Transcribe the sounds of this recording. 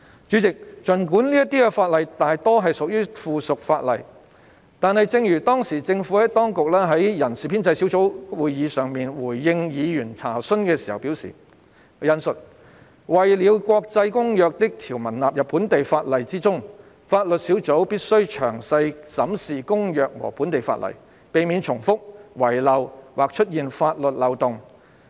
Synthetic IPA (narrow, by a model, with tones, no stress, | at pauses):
t͡ʃyː˨˥t͡sɪ˨k̚t͡ʃɵ˨˩nkuː˨˥nli˥ɐ˥t̪iː˥kɛ˧faː˧t̚lɐ˨˩jt̪aː˨jt̪ɔː˥ɦɐ˨˩jsʊ˨k̚jyː˥fuː˨˩sʊ˨k̚faː˧t̚lɐ̰˨˩j | t̪aː˨nhɐ˨jt͡sɪ˧ŋjyː˨˩t̪ɔː˥ŋsiː˨˩t͡sɪ˧ŋfu˨˥hɐ˨˥jt̪ɔː˥ŋkʊ˨k̚lɛː˥ɦɐ˨˥jjɐ˨˩nsiː˨pʰiː˥nt͡sɐ˧jsi˨˥wt͡so˨˥wwuː˨˩jjiː˨˧sœː˨ŋmiː˨nwuː˨˩jːɪ˧ŋjiː˨˧jyː˨˩nt͡sʰa̰ː˨˩sɵ˥nkɛː˧siː˨˩hɐ̰˨wpi˨˥wsḭː˨˩ | jɐ˨˧nsɵ˨t̚ | wɐ˨jliː˨˧wkwɔː˧k̚t͡sɐ˧jkʊ˥ŋjœː˨k̚t̪ɪ˥k̚t̪ʰiː˨˩wmɐ˨˩nlaː˨p̚jɐ˨pʰːuː˨˥nt̪e˨jfaː˧t̚lɐ˨jt͡siː˥t͡sʊ˥ŋ | faː˧t̚lɵ˨t̚siː˨˥wt͡so˨˥wpiː˥t̚sɵ˥ɥt͡ʃʰœː˨˩ŋsɐ˧jsɐ˨˥msiː˨kʊ˥ŋjœː˨k̚wɔ̰ː˨˩puː˨˥nt̪e˨˩jfa̰ː˧t̚lɐ̰˨˩j | pe˨jmiː˨˧nt͡ʃʰʊ˨˩ŋfʊ˥k̚wɐ˨˩jlɐ˨wwaː˨k̚t͡ʃʰɵ˥t̚jiː˨nfaː˧t̚lɵ˨t̚lɐ˨˧wt̪ʊ˨ŋ